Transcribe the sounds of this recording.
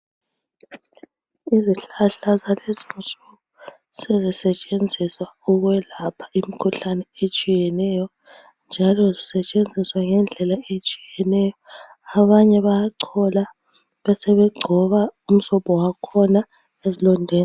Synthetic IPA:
iziɬaɬazalezimsuɣu | sezisɛt͡ʃʼend͡zʱiswauɣwɛlapʰḁʔimikʰuɬanɛet͡ʃʼijɛnɛjɔ | nd͡ʒʱalɔzisɛt͡ʃʼend͡zʱiswaŋɛnd͡ɮʱɛlaet͡ʃʼijɛnɛjɔ | aβaɲɛβajaǀʰɔla | βɛsɛβɛɡ͡ǀʱɔβaum̩sɔpɔwakʰɔna | ezilɔndʱɛːa

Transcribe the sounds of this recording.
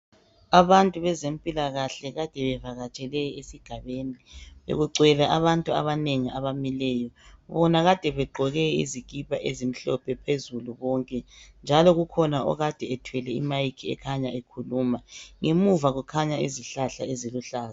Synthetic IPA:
aβantʼuβɛzempʼilaɣaɬɛɣad̥ʱɛβɛvaɣat͡ʃʼɛlɛjesiɡ̥ʱaβeniβḛɣuǀʱwɛlaʔaβantʼua̰βaneŋiaβamilɛːjɔβɔnaɣad̥ʱɛβɛǃʱɔɣɛḭziɡ̥ʱʼipʰaʔezim̩ɬɔpʰɛpʰezuluβɔŋkʼɛnd͡ʒʱalɔɣukʰɔnaɔ̰ɣad̥ʱɛɛtʰwɛlɛḭmajikʰiɛ̰kʰaɲaekʰuluːmaŋemuvaɣukʰaɲaḭziɬaɬa̰eziluɬaːza

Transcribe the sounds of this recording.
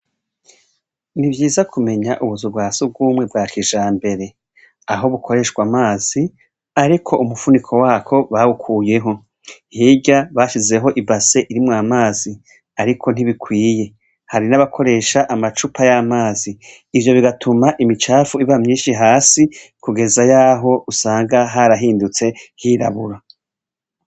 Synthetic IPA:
nibjiːzakʰume̞ɲaʔuβuzub̚ɡaːsub̚ɡuːmŋe̞bɡaːkʰiʒaːmbe̞ɾe̞ | aɦo̞βuko̞ɾe̞ːʃkwamaːz̥i | aɾikʰo̞ʔumufunikʰo̞waːkʰo̞βaβukʰuːje̞ɦo̞ | hiɟaβaʃize̞ɦo̞ʔibase̞ʔiɾimŋaːmaːzi | aɾikʰo̞n̥iβikwiːje̞ | haɾinaβakʰo̞ɾe̞ːʃaʔamat͡ʃupʰajamaːziː | vjo̞βiɡatʰumaʔimit͡ʃaːfuiβamɲiːʃiɦaːsikʰuɡezajaːɦo̞usaːŋɡaɦaɾaɦiːndut͡se̞hiɾa̰βuɾa

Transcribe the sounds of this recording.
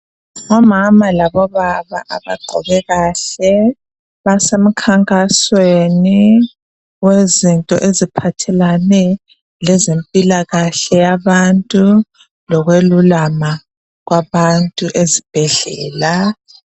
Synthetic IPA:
ŋɔmamalaβɔβaβa̰ʔaβa̰ɡ͡ǃʱɔ̰βɛɣaɬɛ | βasem̩kʰaŋkʼasweni | wezintʼɔ̰ʔezipʰatʰɛlanɛ | lɛzempʼilaɣaɬɛjaβantʼu | lɔɣwelulama | ɣwaβantʼuʔezib̥ʱɛɮɛ̰ːla

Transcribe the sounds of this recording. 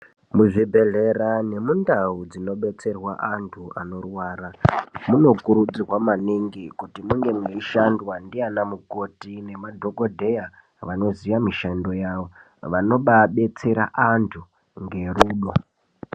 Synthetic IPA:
muʐibʱe̞ɮe̞rane̞mundaud͡zino̞ɓe̞t͡se̞rwa̰ʔantʰuano̞rwaːɾamuno̞kuɾud͡zirwamaniŋɡikutimuŋɡe̞muneiʃandwandianamuko̞tine̞madʱo̞ko̞dʱe̞ja | ʋano̞ziʋamiʃando̞jaːʋo̞ | ʋano̞ɓaɓe̞t͡se̞ɾa̰ʔantʰu | ŋɡe̞ruːɗo̞

